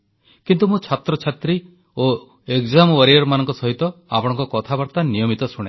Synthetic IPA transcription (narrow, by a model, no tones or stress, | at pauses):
kint̪umũt͡ʃʰat̪ɾɔt͡ʃʰat̪ɾi | o | ekzamwaɾiɔɾmanɔŋkɔsɔɦit̪ɔa̰pɔɽ̃ɔ̃ŋkɔkɔt̪ʰabɔɾt̪anijɔmit̪ɔsuɽ̃e